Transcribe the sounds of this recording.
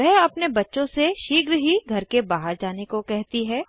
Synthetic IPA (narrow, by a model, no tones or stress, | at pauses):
ɛɦɐpnebɐtːʃõseʃiːɡɾɦiɡʱɐɾkebaːɦəɾd͡ʒaːnekokɛɦt̪iɦɛː